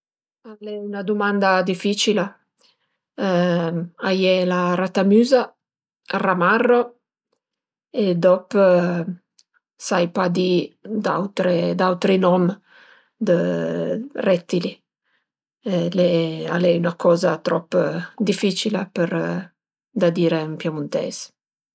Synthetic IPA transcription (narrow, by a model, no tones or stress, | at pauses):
alɛunad̪umand̪ad̪ifit͡ʃila | ajɛlaɾat̪amyːza | ramarːo | ed̪ɔpː | sajpad̪id̪awt̪ɾed̪awt̪ɾinɔm | d̪ə | rɛt̪ːili | lɛa̰lɛunakɔːzat̪ɾɔpːd̪ifit͡ʃilapəɾ | d̪ad̪iːɾempjamunt̪ɛ̰z